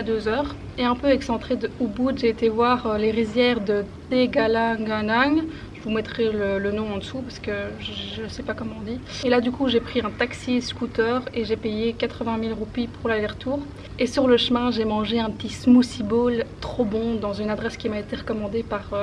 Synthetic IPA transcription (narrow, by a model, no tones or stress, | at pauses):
ad̪øzœːʁ | eɛ̃pøɛksɑ̃t̪χed̪əubud̪ʒeːt̪evwaʁøleʁizjɛʁd̪ət̪eɡalaɡanaŋ | ʒ̥əvumɛt̪χɛlələnɔ̃ɑ̃d̪əsupaʁsə̥kəʒəʒəsɛpakɔmɑ̃d̪ielad̪ykuʒepχiɛ̃t̪aksiskut̪œːʁeʒepejekat̪χəvɛ̃milʁupipuʁlalɛʁt̪uːʁ | esyʁləʃmɛ̃ʒemɑ̃ʒeɛ̃pət̪ismusibɔlt̪χobɔ̃d̪ɑ̃zynad̪ʁɛskʲimaet̪eʁəkɔmɑ̃d̪epaʁø